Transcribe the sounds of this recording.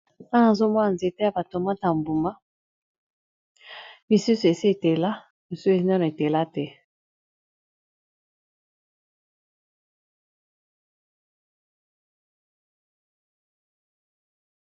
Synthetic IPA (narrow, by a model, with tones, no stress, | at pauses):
ã˦na˨zo˦mɔ˦na˨nze˨te˦ja˨ba˨to˨ma˦ta˨mbu˨ma˦ | mi˨su˦su˨e˨si˦e˨te˨la˦ | mi˨su˦e˨zi˦na˦na˨e˨te˨la˦tɛ˦